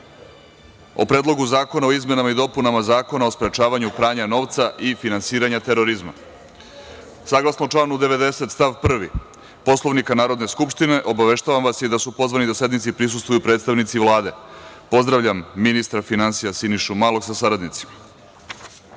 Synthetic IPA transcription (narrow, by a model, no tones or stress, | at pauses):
o̞̰pɾeːd̪lˠo̞ɡuzaːko̞nao̞izme̞namaid̪o̞punamazaːko̞naospɾe̞t͡ʃaːʋaɲupɾaːɲano̞ʋt̪saʔifinansiːɾaɲat̪eɾo̞ɾizma̰ | saɡlˠasnot͡ʃlˠaːnud̪e̞ʋe̞d̪e̞se̞t̪st̪aʋpr̩ʋi | po̞slˠo̞ʋnikanaːɾo̞d̪ne̞skupʃt̪ine̞ʔo̞baʋe̞ʃt̪aʋamʋasjed̪asupo̞zʋanid̪ase̞d̪nit̪sipɾis̬ust̪vujupɾeːt̪st̪aʋnit̪siʋlˠaːd̪e̞po̞zd̪ɾaʋʎamːinist̪ɾafinansijasiniʃumalo̞ksasaɾad̪nit̪si̥ma